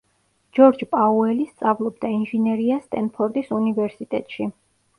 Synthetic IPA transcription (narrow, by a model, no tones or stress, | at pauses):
d͡ʒɔɾd͡ʒpʼauɛlist̪sʼavlˠɔbd̪ainʒɛnɛɾiast̪ʼɛnpʰɔɾt̪ʼisunivɛɾsit̪ʼɛt̪ʼʃi